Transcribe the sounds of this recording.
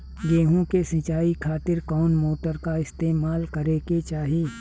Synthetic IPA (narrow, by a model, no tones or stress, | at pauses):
ɡeːɦõkesɪ̃t͡ʃaːikʰaːt̪ɪɾkɔːnmoːʈəɾkaɪst̪eːmaːlkɐɾeːket͡ʃaːɦieː